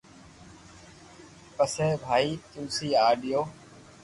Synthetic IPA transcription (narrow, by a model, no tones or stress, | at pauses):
pəsẽːbʱaːiːt̪ũːsiːaːɗɪjoː